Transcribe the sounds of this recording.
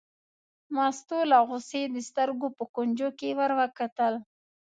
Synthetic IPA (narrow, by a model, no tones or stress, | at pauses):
mɑst̪olaɣʊsed̪əst̪əɾɡopəkond͡ʒokewaɾwakat̪əl